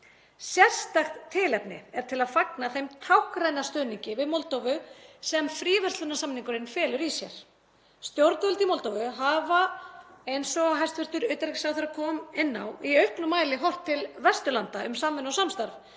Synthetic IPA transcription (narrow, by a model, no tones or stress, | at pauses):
sjɛr̥st̪axt̪ʰːɪlɛpnɪ̰ɛɾ̥t̪ʰɪlaðfaknaθejmt̪ʰawhkɾajnast̪œːniɲcɪvɪðmɔlt̪owvʏsɛmfɾiːvɛr̥t̪lʏnasamniŋkʏɾɪnfɛːlʏɾisjɛ̰ɾ̥ | st̪jowɾt̪vœlt̪imɔlt̪owvʏɦavaejnsɔɣaɦajst̪vɛɾ̥t̪ʏɾœɥt̪aɾɛsawθɛɾakʰɔːmɛnːa̰wiœɥhknʏmaːjlɪɦɔr̥t̪ʰːɪlvɛrst̪ʏlant̪aʏmsamvɪnasamst̪aɾv